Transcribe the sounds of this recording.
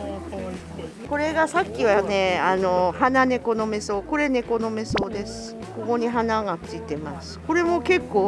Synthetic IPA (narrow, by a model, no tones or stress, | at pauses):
ko̞ɾe̞ɡasakʲːiβane̞ano̞hanane̞ko̞no̞me̞so̞ːko̞ɾe̞ne̞ko̞no̞me̞so̞ːd̪e̞sɨ̥ | ko̞ko̞ɲ̟iɦanaŋat͡sɨit̪e̞masɨ̥ko̞ɾe̞mo̞ke̞kːo̞ː